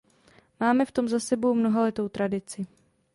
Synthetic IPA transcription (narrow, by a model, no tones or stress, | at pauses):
maːmɛft̪o̞mzasɛbowmno̞ɦalɛt̪o̞wt̪ɾadɪt͡sɪ